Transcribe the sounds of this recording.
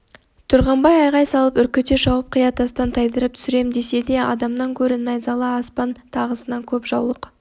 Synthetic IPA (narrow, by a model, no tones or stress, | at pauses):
t̪ʰʊɾʁɑmbɑjɑjʁɑjsɑlˠəpʏɾkʲɪt̪eʒɑwəp̚qʰəjɑt̪ɑst̪ɑnt̪ʰɑjd̪əɾəp̚t̪ʰʏ̥sɪɾe̞md̪e̞se̞d̪e̞ɑ̰d̪ɑmnɑŋkʲʰɵɾɪnɑjzɑlˠɑːspɑnt̪ʰɑʁəsənɑŋkʲʰɵpʒɑwlˠəq